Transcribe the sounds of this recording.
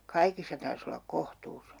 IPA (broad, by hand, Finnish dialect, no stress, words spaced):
kɑikisːɑ tɑrs olːɑk kohtuːs